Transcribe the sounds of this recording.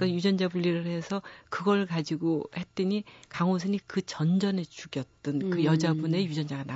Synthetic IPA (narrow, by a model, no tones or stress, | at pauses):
k͈ajud͡ʑʌnd͡ʑabuʎːiɾɯɭɦe̞sʰʌkɯɡʌɭkad͡ʑiɡohet͈ɯɲikaŋos̬ʰɯnikɯt͡ɕʌnd͡ʑʌnet͡ɕuɡjʌt̚tt͈ɯnkɯjʌd͡ʑabune̞jud͡ʑʌnd͡ʑaɡana